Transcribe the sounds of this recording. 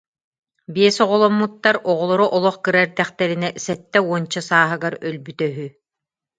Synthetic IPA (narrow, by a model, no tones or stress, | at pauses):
biɛsɔʁɔlˠɔmːut̪ːaɾɔʁɔlˠɔɾɔʔɔlˠɔχkɯɾɛɾd̪ɛχt̪ɛɾinɛsɛt̪ːɛuɔnt͡ɕɔsaːɦɯɡaɾœlbyt̪œɦy